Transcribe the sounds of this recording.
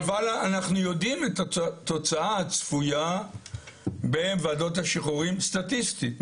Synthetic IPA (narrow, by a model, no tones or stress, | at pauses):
valaanaχnujo̞dimetato̞t͡saaat͡sfuja | benvaːdo̞t̬haʃiχuʁimst̪atist̪it